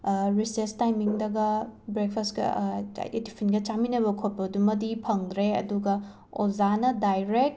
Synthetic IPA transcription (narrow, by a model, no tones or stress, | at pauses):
ɾisestajmiŋdɐɡɐbɾek̚pʰɐstkɐ̰etipʰinɡɐt͡ʃaminɐβɐkʰot̚pɐdumɐdipʰɐŋd̪ɾeɐ̰duɡɐ | ozanɐdajɾek̚t̚